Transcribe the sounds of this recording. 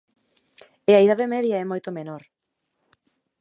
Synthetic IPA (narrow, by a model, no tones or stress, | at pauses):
eɐiðaðemɛðjɐɛmojt̪omenoɾ